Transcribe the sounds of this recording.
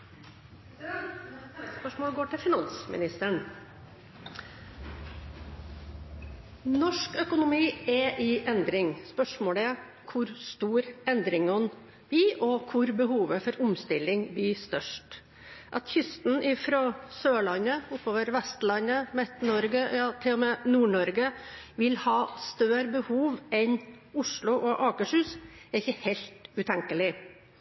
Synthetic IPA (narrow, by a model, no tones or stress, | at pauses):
spœʂmoːɡoːʈʰɪfɪnɑnsmɪ̰nɪst̪əɳ | nɔʂkœkʊnʊmiːɛʔɪʔɛnd̪ɾɪŋspœʂmoːɽəɛ | kʰʊɾst̪uːɾɛnd̪ɾɪŋɔn | b̥iːʔɔkʰʊɾbəɦuːʋəfɔɾʊmst̪ɪlɪŋbyːst̪œʂʈ | ʔɑt̪çʏst̪n̩ɪfɾɔsøːɭɑnːəʊpːoːʋəɾʋɛst̪lɑnːəmɛt̪nɔɾɡəjɑːt̪ʰɪlːɔmɛnuːɳɔɾɡə | ʋɪlhɑːst̪øːɾəbəhuːʋɛn | ʊʂɭʊʔɔʔɑːkəʂʉːsɛɾɪçəhɛɪlt̪ʉːt̪ʰɛŋkəlɪ